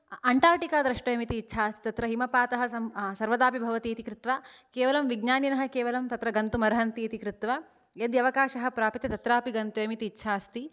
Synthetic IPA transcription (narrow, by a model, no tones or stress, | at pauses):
ɐɳʈaːɾʈikaːd̪ɾɐʂʈɐjɐmit̪iːtːʃʰaːst̪i̥t̪ɐt̪ɾɐɦimɐpaːt̪ɐɦɐɐsɐɾʋɐd̪aːpibʱɐʋɐt̪iːt̪ikɾɪt̪ʋakeːʋɐlɐmʋiɡɲaːninɐɦɐ̆keːʋɐlɐmt̪ɐt̪ɾɐɡɐnt̪umɐɾɐɦɐnt̪iːt̪ikɾɪt̪ʋa | jɐd̪jɐʋɐkaːʃɐɦɐ̆pɾaːpit̪jɐt̪ɐt̪ɾaːpiɡɐnt̪ujɐmit̪iːtːʃʰaːst̪i